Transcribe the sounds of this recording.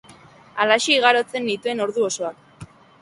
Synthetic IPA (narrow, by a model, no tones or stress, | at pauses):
alaʃiiɣ̞aɾo̞t͡se̞nd̪it̪ue̞no̞ɾðuo̞so̞ak